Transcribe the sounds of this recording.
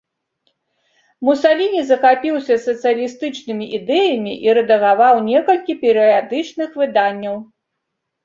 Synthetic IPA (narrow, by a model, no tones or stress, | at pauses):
musalʲinʲizɐxapʲiwsʲɐsɐt̪sɨjɐlʲist̪ɨt͡ʂnɨmʲiʔid̪ɛjɐmʲiʔiɾɛd̪ɐɣavawnʲɛkɐlʲkʲipʲɛɾɨad̪ɨt͡ʂnɨxvɨd̪anʲːɐw